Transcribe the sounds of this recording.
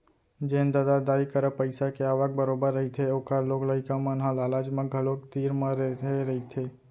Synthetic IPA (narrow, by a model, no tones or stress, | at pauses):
d͡ʒend̪ad̪ad̪aːikəɾəpəɪsakeaːʋak̚bəɾoːbəɾːəɦit̪ʰeoːkaloːɡləɪkamə̃nɦãlaːlaːd͡ʒmãɡʱəlokt̪iːɾmãɾeeɾəɦit̪ʰe